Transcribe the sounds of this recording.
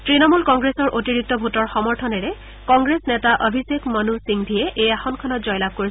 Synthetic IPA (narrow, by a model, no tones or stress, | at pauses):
tɹinɔmulkɔŋɡɹesɔɹʔotiɹik̚tɔbʱutɔɹxɔmɔɹtʰɔnɛɹɛ | kɔŋɡɹesnɛtaʔobʱisekmɔnusiŋbʱijɛʔejaxɔnkʰɔnɔtzɔjlab̚koɹi